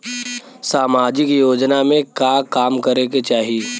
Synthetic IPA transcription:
saːmaːd͡ʒɪkjoːd͡ʒnamẽkaːkaːmkɐɾeket͡ʃaːɦie

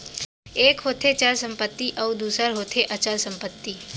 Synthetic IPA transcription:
eːkɦoːt̪ʰet͡ʃəlsə̃mpət̪ːiʔɔʊd̪uːsəɾɦoːt̪ʰeʔət͡ʃəlsə̃mpət̪ːiː

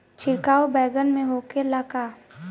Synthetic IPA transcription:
t͡ʃʰɪɾkaːobɛːɡənmẽɦoːkelakaː

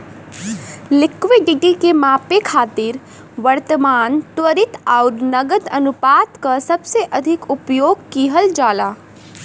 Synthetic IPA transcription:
lɪkʋeɖɪɖikemaːpekʰaːt̪ɪɾ | ʋəɾt̪əmaːnt̪wəɾɪt̪ɔːɾnəɡəd̪ənʊpaːt̪kasɐbseʔɐd̪ʱɪkʊpjoːɡkiːɦəld͡ʒaːlaː

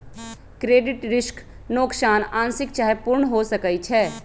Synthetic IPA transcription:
kɾeːɖɪʈɾɪʃk | noːksaːnãːnsɪk̚t͡ʃaːɦepʊɾɳɦosɐkəit͡ʃʰɛː

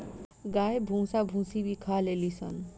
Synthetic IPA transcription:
ɡajbʱũsabʱũsibikʰalelisʌ̰n

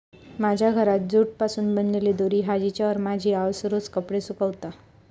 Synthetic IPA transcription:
mad͡ʑʱjaɡʱəɾat̪̚d͡zuːʈ̚pasuːnbənleled̪oɾiːɦad͡ʑit͡ɕjaʋəɾmad͡ʑʱiːaʋsɾoskəpɽesukəʋt̪a

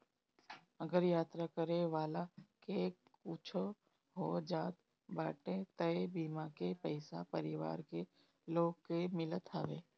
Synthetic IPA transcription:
əɡəɾjaːt̪ɾakəɾeʋaːlakekut͡ʃʰo | ɦoːd͡ʒãːt̪ | baːʈẽt̪əebiːmakepəɪsa̰pəɾɪʋa̰ːɾke | loːɡkemɪlət̪ʰa̰ːʋḛː

